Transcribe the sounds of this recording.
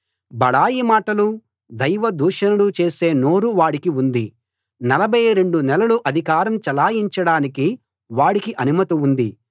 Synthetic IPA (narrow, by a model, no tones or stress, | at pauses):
bɐɭaːjimaːʈɐlu | d̪ɐjʋɐd̪uːʂɐnɐlut͡ʃe̞ːse̞ːno̞ːɾuʋaːɽikiund̪i | nɐlɐbʱɐjɾe̞ɳɖunɛlɐluʔɐd̪ʱikaːɾɐmt͡ʃɐlaːjiɲt͡ʃɐɽaːniki | ʋaːɽikiʔɐnumɐt̪iund̪i